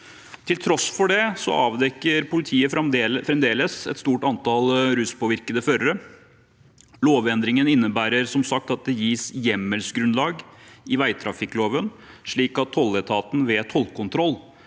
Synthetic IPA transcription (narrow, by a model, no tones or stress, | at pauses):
t̪ʰɪlt̪ʰɾɔsːfɔɖɛsɔ̰ɑːʋd̪ɛkːəɾpʊlɪt̪ʰiːəfɾɛmd̪eːləfɾɛmd̪eːləsɛ̰t̪st̪uːʈɑnt̪ʰɑlɾʉːspɔʋɪɾkəd̪əføɾəɾə | loːʋɛnd̪ɾɪŋənɪnːəbæːɾəɾsɔmsɑk̚t̪ɑt̪̚d̪ɛjiːsjɛmːəlsɡɾʉnlɑːɡɪʋæɪt̪ʰɾɑfɪkːloːʋənʂɭiːkɑt̪ʰːɔlət̪ʰɑːt̪n̩ʋɛt̪ʰɔlkʊnt̪ʰɾɔlː